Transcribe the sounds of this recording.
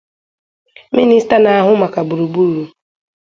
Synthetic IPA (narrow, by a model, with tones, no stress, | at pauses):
mi˦ni˦sta˦na˨a˨ɦʊ˦ma˨ka˨bu˨ɾu˨bu˦ɾu˨